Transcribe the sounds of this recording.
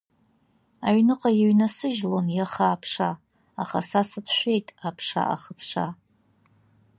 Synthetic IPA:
aɥnɨqʼajeɥnasɨʒlonjaχaːpʰʂa | aχasasatʰʃᶣʷe̞jtʼapʰʂa̰ʔa̰χəpʰʂa̰

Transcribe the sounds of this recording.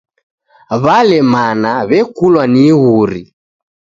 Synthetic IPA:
βalɛmanaβɛkulwaniɣuɾi

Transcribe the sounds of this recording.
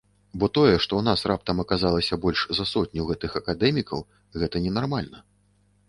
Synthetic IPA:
bɔt̪ɔjɛʂt̪ɔwn̪asrap̚t̪ɐmɐkazalˠɐsʲɐbɔlʲʂzɐsɔt̪ʲnʲuwɣɛt̪ɨxɐkad̪ɛmʲikɐw | ɣɛt̪ɐnʲɛnarmalʲnɐ

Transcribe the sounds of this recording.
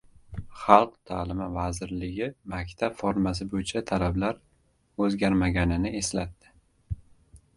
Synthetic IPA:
χɑlˠqt̪ʰaːlɪmavazɪɾlɪɡʲɪmakʲt̪ʰabfoɾmas̬ɪbojɪt͡ʃʰat̪ʰalablaɾ | ɵzɡʲaɾmaɡʲanɪnɪe̞slat̪ːɪ̥

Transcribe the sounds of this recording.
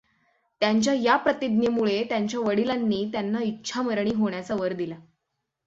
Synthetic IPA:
t̪jaɲt͡ɕjajapɾət̪id̪njəmuɭet̪jaɲt͡ɕjaʋəɽilanːiːt̪janːaitːɕʰaməɾɳ̃iːɦoɳ̃jat͡saʋəɾd̪ila

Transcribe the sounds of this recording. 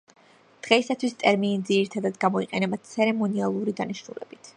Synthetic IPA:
d̪̥ʁɛisat̪ʰwist̪ʼɛɾminid̪ziɾit̪ʰad̪ad̪ɡamɔiqʼɛnɛbat̪t̪sʰɛɾɛmɔnialˠuɾid̪aniʃnṵlɛ̰bit̪ʰ

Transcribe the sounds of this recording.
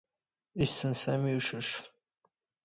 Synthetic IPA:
isːənsæmiuʃʊʃf

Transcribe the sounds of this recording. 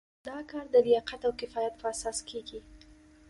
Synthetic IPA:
d̪ɑkɑɾd̪əlijɑqat̪awkɪfɑjat̪̚pʰəasɑskʰeɡi

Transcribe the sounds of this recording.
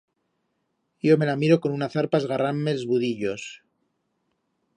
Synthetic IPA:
jo̞me̞lamiɾo̞ko̞nunaθaɾpazɣaramme̞lozβuðiʎo̞s

